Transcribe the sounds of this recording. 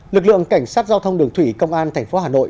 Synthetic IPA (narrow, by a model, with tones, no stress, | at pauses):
lɨ˨˩k̚lɨ̰˧˨əŋka˧˩jŋ̟saː˦˥t̚zaː˧wt̪ʰə˧wŋ͡mɗɨ˨˩əŋt̪ʰwi˧˩kə˧wŋ͡mʔaː˧nt̪ʰɛ˨˩jŋ̟fo˨˦ɦaː˨˩no̰˧˨ʔ